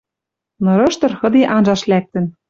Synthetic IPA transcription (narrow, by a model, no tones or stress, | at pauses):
nŏɾɤ̆ʃt̪ɤ̆rxɤ̆d̪eʔɑnʒɑʃlæk̚t̪ə̆n